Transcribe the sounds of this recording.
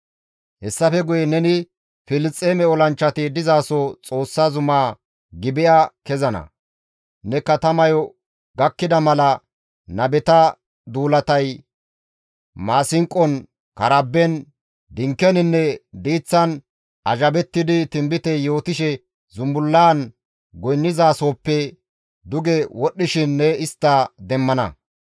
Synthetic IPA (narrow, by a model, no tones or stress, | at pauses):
hɛsːɐfɛɡʊjɛnɛnɪ | fɪlɪt͡sʼːeːmɛɔlɐnt͡ʃːɐt̪ɪd̪ɪzaːsot͡sʼo̞ːsːazʊmaː | ɡɪbɪjʔakɛzɐnɐ̰ | nɛkɐt̪ɐmɐjɔ | ɡɐkːɪd̪ɐmɐlɐ | nɐbɛt̪ɐ | d̪uːlɐt̪ɐj | maːsɪŋkʼːɔn | kɐɾɐbːɛn | d̪ɪŋkːɛnɪnːɛd̪iːt͡sːɐn | ɐʒɐbɛt̪ːɪd̪ɪt̪ɪmbɪt̪ɛjo̞ːt̪ɪʃɛ | zʊmbʊlːaːn | ɡɔjnːɪzaːso̞ːpːɛ | d̪ʊɡɛwɔɗːɪʃɪnːɛɪst̪ːɐd̪ɛmːɐnɐ̰